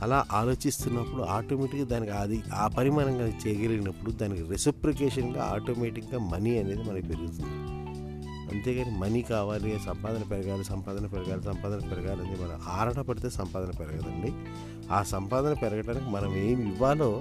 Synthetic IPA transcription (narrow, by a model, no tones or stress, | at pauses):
ɐlaːʔaːlo̞ːt͡ʃist̪unːɐpːuɽuaːʈoːmeʈikd̪aːnikiad̪iaːpɐɾimaːɾɐŋɡaːnkt͡ʃɛːjɐɡɐliɡinɐpːuɽud̪aːnikiɾesipɾikɛːʂɐnɡa̰a̰ːʈo̞ːmeːʈikɡaːmɐniɐne̞ːd̪imɐnɐmkpeɾuɡut̪und̪i | ɐ̰nt̪e̞ːɡaːnimɐnikaːʋaːlisɐmpaːd̪ɐnɐpɛɾɐɡaːlusɐmpaːd̪ɐnɐpɛɾɐɡaːlusɐmpaːd̪ɐnɐpɛɾɐɡaːlɐnd̪emɐnɐ̰maːɾɐɳɐpɐɽit̪e̞ːsɐmpaːd̪ɐnɐpɛɾɐɡɐd̪ɐnːi | aːsɐmpaːd̪ɐnɐpɛɾɐɡɐʈaːnikimɐnɐme̞ːmiʋːaːlo̞ː